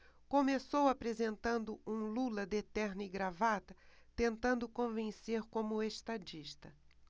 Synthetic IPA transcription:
kõmesowapɾezẽnt̪ɐ̃nd̪ʊũlulɐd̪et̪ɛɾniɡɾavat̪ɐt̪ẽnt̪ɐ̃nd̪ʊkõvẽseɾkõmʊest̪ad͡ʒiʃt̪ɐ

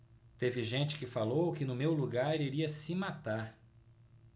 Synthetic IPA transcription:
t̪evɪʒẽnt͡ʃɪ̥kɪfalowkɪnʊmewluɡaɾiɾiɐsɪmat̪aɾ

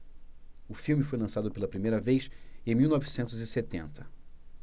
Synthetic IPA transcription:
ʊfiwmɪfojlɐ̃sad̪ʊpelɐpɾimejɾɐvejsẽj̃miwnɔvisẽnt̪ʊzɪset̪ẽnt̪ʰɐ̥

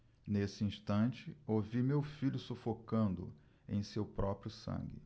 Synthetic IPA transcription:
nesɪĩʃt̪ɐ̃t͡ʃɪowvimewfiʎʊsufokɐ̃nd̪ʊ̰ | ḛ̃j̃sewpɾɔpɾjʊsɐ̰̃ŋɡɪ̰

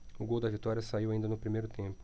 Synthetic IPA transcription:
ʊɡowd̪ɐvit̪ɔɾʲjɐsaiwaĩnd̪ɐnʊpɾimejɾʊt̪ẽpʊ̥

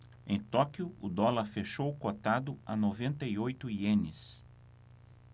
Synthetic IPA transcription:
ẽj̃t̪ɔkiʊʊd̪ɔlɐɾfeʃowkot̪ad̪ʊɐ̰novẽnt̪ɐiojt̪ʊiẽnɪs

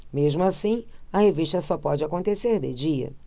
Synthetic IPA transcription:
meʒmʊasĩɐheviʃt̪ɐsɔpɔd͡ʒɪakõnt̪eseɾd̪ḛd͡ʒiɐ̰

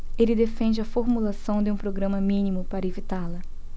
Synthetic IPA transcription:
elɪd̪efẽnd͡ʒɪɐfoɾmulasɐ̃w̃d̪ɪũpɾoɡɾɐ̃mɐmĩnimʊpaɾɐevit̪alɐ

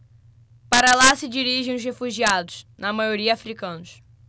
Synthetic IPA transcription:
paɾɐlasɪd͡ʒiɾiʒẽj̃ʊshefuʒiad̪ʊʃnɐmajoɾiɐafɾikɐ̃nʊʃ

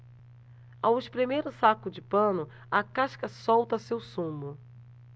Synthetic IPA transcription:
awʃpɾimejɾʊsakʊd͡ʒɪpɐ̃nʊ | ɐkaʃkɐsɔwt̪ɐsewsũmʊ

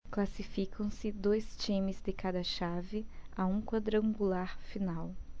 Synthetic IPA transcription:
klasifikʰɐ̃w̃sɪd̪ojst͡ʃĩmɪzd̪ɪkad̪ɐʃavɪaũkwad̪ɾɐ̃ŋɡulaɾfinaw

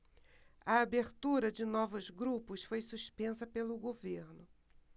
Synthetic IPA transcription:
ɐabeɾt̪uɾɐd͡ʒɪnɔvʊzɡɾupʊsfojsuʃpẽsɐpelʊɡoveɾnʊ

